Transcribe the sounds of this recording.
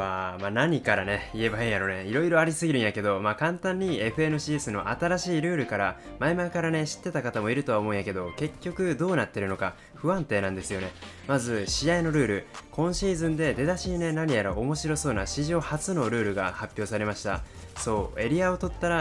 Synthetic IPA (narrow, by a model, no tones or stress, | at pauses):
βamanaɲ̟ikaɾane̞ie̞baiːjaɾo̞neiɾo̞iɾo̞aɾʲisɨɡʲiɾɯ̟ɰ̃jake̞d̪o̞maːkãnt̪ãɲ̟ːie̞ɸɯ̟e̞nɯ̟ɕiːsɨno̞ʔat̪aɾaɕiːɾɯ̟ːɾɯ̟kaɾa | maimaikaɾane̞ɕi̥t̪ːe̞t̪akat̪amo̞iɾɯ̟t̪oaomo̞ɯ̃jake̞d̪o̞ke̞kʲːo̞kɯ̟d̪o̞ːnat̪ːe̞ɾɯ̟no̞ka | ɸɯ̟ãnt̪e̞ːnãnd̪esɨjo̞ne̞ | mazɨɕijaino̞ɾɯ̟ːɾɯ̟kõ̞ɰ̃ɕiːzɨ̃nd̪e̞d̪e̞d̪aɕiːne̞naɲ̟ijaɾaʔomo̞ɕiɾo̞so̞ːnaɕiʑo̞ːhat͡sɨno̞ɾɯ̟ːɾɯ̟ɡa̰hapʲːjo̞ːsaɾe̞maɕi̥t̪a̰ | so̞ːe̞ɾʲiao̞t̪o̞t̪ːaɾa